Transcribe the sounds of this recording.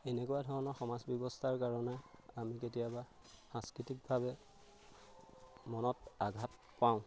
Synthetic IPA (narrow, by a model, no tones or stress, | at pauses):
enekujadʱɔɹɔnɔxɔmazbjɔbɔstʰaɹkaɹɔnɛamiketijaba | xãnskɹitik̚bʱabɛ | mɔnɔtaɡʱat̚ | paʊ̃